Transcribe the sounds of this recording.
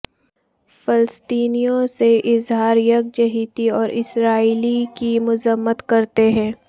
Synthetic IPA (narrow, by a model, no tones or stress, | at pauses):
fɪləst̪iːnijõseʔɪzɦaːɾjɐk̚d͡ʒɐɦiːt̪iɔːɾʔɪsɾaːiːlikimʊzəmːət̪kɐɾt̪eɦɛ̃ː